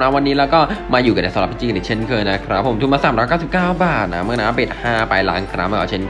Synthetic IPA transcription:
naː˦˥wa˧nːiː˦˥lɛː˦˥wkɔː˥˩maː˧juː˨˩ka˧˩nda˨˩sa˨˦ɾa˨˩pt̪ʰiː˧t͡ɕiː˧˨˩t͡ɕʰe˥˩nkʰɤː˧na˦˥kʰɾa˦˥pʰːt̪ʰu˧˩maː˧saː˨˩mɾɔ˧˦jkaː˥˩si˨˩p̚kaː˥˩wbaː˨˩t̪̚na˦˥m˥˩˨naː˦˥˧pe˨˩t̪̚haː˥˩pa˧jla̰ː˦˥ŋkʰɾa̰˦˥ma˧˩ʔa˧˩t͡ɕʰe˥˩n

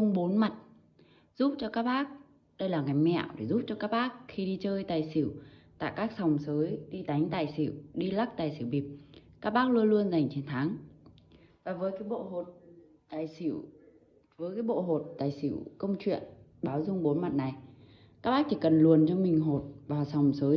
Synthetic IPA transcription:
ʊ˧ŋ͡mɓo˨˦nma˨˩t̚ | z̥u˦˥p̚t͡ɕɔ˧kaː˦˥k̚ɓaː˦˥k̚ | ɗə˧jlaː˨˩ŋa˨˩jmɛ̰˧˨wɗe˧˩zu˦˥p̚t͡ɕɔ˧kaː˦˥k̚ɓaː˦˥k̚xi˧ɗi˧t͡ɕəː˧jt̪aː˨˩jsi˧˩wt̪a̰ː˧˨jkaː˦˥k̚sa˨˩wŋ͡msəː˨˦jɗi˧t̪a˨˦jŋ̟t̪aː˧˨˩jsḭ˧˩˨wɗi˧la˦˥k̚t̪aː˨˩jsi˧˩wɓi˨˩p̚kaː˦˥k̚ɓaː˦˥k̚lu˧əlu˧ənza˨˩jŋ̟t͡ɕe˨˧˦nt̪ʰaː˨˦ŋ | vaː˨˩vəː˨˦jkaː˨˦jɓo̰˧˨ɦo˨˩t̚ | t̪aː˨˩jsi˧˩w | vəː˨˦jkaː˨˦jɓo̰˧˨ɦo˨˩t̚t̪aː˨˩jsi˧˩wkə˧wŋ͡mt͡ɕwḭ˧˨ən | ɓaː˨˦wzʊ˧ŋ͡mɓo˨˦nma˨˩t̚na˨˩j | ka˦˥k̚ɓaː˦˥k̚t͡ɕʰi˧˩kə˨˩nlu˨˩ənt͡ɕɔ˧mï˨˩ŋ̟ɦo˨˩t̚vaː˨˩wsa˨˩wŋ͡msəː˨˦

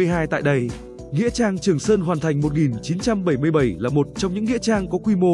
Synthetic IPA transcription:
əjɦaː˧jt̪a̰ː˧˨jɗə˧j | ŋḭ˧˥ət͡ɕaː˧ŋt͡ɕɨ˨˩əŋsəː˧nɦwaː˨˩nt̪ʰa˨˩jŋ̟mo˨˩t̚ŋi˨˩nt͡ɕi˨˦nt͡ɕa˧mɓə˧˩jmɨ˧əjɓə˧˩jlaː˨˩mo˨˩t̚t͡ɕɔ˧wŋ͡mɲɨ̰˧˥ŋːḭ˧˥ət͡ɕaː˧ŋkɔ˨˦kwi˧mo˧

